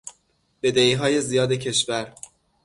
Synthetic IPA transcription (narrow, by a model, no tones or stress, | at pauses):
b̥e̞d̪eiːɦɒːje̞zijɒːd̪ecʰe̞ʃvæɾ